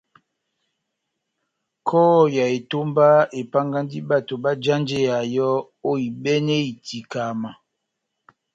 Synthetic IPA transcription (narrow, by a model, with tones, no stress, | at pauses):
kʰɔ˦˨ja˨e˨to˦mba˦e˨pa˦ŋɡa˦ndi˦ba˦˨to˨ba˦d͡ʒa˦nd͡ʒe˦a˨jɔ˦ | o˦i˨bɛ˦ne˦i˨ti˨ka˨ma˨